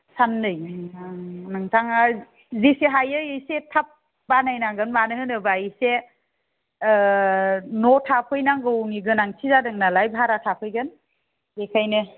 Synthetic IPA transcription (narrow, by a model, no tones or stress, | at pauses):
sanːɯjʰaŋnɯŋtʰaŋa | ziseɦajɯjɯjsetʰap̚ | banajnaɡɯnmanɯhɯnɯbaise | nɔtʰapʰɯjnaɡɯwŋiɡɯnaŋsʰizadɯŋnalajbʱaɾatʰapʰɯjɡɯn | ekʰajnɯ